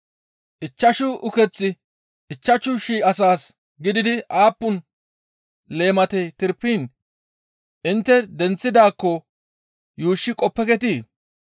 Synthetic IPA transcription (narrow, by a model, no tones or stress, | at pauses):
ʔɪt͡ʃːɐʃʊʔʊkɛt͡sːɪ | ʔɪt͡ʃːɐt͡ʃʊʃiːɐsaːs | ɡɪd̪ɪd̪ɪʔaːpːʊn | le̞ːmɐt̪ɛt̪ɪɾpːiːn | ʔɪnt̪ːɛd̪ɛnt͡sːɪd̪aːkːɔ | juːʃːɪkʼɔpːɛkɛt̪iː